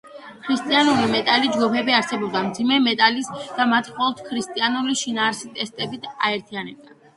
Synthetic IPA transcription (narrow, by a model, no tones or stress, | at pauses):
kʰɾist̪ʼianulimɛt̪ʼalid͡ʒɡupʰɛbiaɾsɛbɔb̚d̪amd̪zimɛmɛt̪ʼalisd̪̥amat̪ʰχɔɛlˠt̪ʰkʰɾist̪ʼianuliʃinaːɾsit̪ʼɛst̪ʼɛbit̪ʰaɛɾt̪ʰianɛb̚d̪a